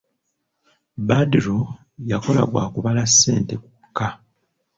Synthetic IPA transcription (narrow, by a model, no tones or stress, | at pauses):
badiɾo | jako̞la̰ɡwa̰ːkuβalasːe̞ːnte̞ku̥kːa